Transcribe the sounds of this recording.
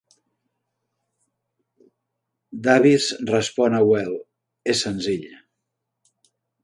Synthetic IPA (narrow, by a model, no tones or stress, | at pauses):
d̪aβisrəspɔnəwɛlˠ | esːənziʎ